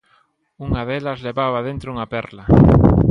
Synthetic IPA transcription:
uŋaðelɐzleβaβ̞aðent̪ɾʊuŋapɛɾlɐ

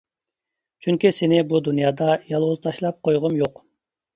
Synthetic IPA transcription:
t͡ʃʰyŋkʲisenɪbud̪unijɑd̪ɑjɑlˠʁuzt̪ʰɑʃlˠɑp̚qʰojʁumjoq

